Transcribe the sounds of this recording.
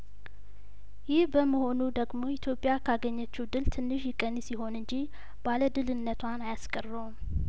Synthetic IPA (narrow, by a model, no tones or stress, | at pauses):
jɪhbəməho̞nud̪əɡmo̞it̪ʰjo̞pʼːjakʰaɡəɲːət͡ʃːuwd̪ɨlt̪ʰɨnːɨʃjɪkʼːənːsiɦo̞nɨɲd͡ʒi | b̥aləd̪ɨlɨnːət̪ʰwanajaskʼərːəwm